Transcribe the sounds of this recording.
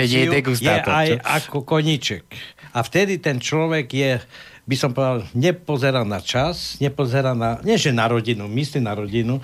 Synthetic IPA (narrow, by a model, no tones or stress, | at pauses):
ɛɲɛjɛɛɡusj̪ɛajakɔkɔɲit͡ʃɛkaft̪ɛd̪it̪ɛnt͡ʃlɔʋɛɡjɛ | bisɔmpɔʋɛd̪alɲɛpɔzɛɾanat͡ʃasɲɛpɔzɛɾanaɲɛʒɛnaɾɔɟinumislimnaɾɔɟinu